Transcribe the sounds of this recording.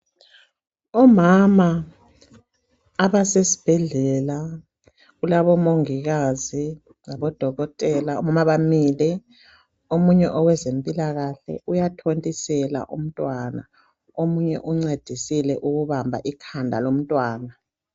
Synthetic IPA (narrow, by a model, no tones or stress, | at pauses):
ɔmama | βasesi̥b̥ʱɛɮɛla | ɣulaβɔmoŋiɣazi | ŋaβɔd̥ʱɔɣɔtʼɛlaɔmamaβamilɛ | omuɲɛʔɔwɛzempʼilaɣaɬɛ̰ujatʰontʼisɛla̰ʔṵm̩tʼwana̰ | omuɲɛ̰ʔuŋ͡ǀed̥ʱisilɛʔuɣuβambʱa̰ʔikʰandʱa̰lom̩tʼwaːna